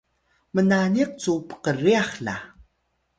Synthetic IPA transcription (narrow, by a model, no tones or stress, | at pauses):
mənaniq̚t͡supə̥qəriaχɬa̰